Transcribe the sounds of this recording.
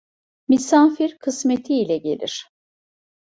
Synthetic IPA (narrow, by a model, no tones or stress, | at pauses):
misaːfiɾkʰɯsmet̪ʰiːlʲɛɟe̞̰lʲḭɾ̝̥